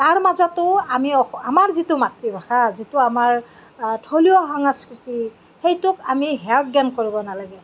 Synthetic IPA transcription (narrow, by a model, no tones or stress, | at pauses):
taɹmazɔtʊamiɔamaɹzitʊmatɹibʱaxazitʊamaɹ | tʰoliɔɦaŋaskɹiti | xejtʊkamiɦɛɔk̚ɡankoɹibɔnalaɡɛ